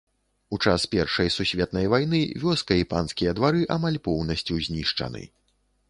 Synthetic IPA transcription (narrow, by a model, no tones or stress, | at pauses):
ut͡ʂaspʲɛrʂɐjsusʲvʲɛt̪̚nɐjvajnɨvʲɔskɐipa̰nskʲijɐd̪vaɾɨʔamalʲpɔwnɐsʲt͡sʲuzʲnʲiʂt͡ʂɐ̰nɨ̰